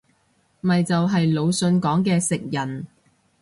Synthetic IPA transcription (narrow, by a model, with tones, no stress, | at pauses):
mɐ˨jt͡sɐ˨wɦɐ˨jlo˨˧wsɵ˨˧nkɔː˨˥ŋkɛː˧sɪ˨k̚jɐ˨˩n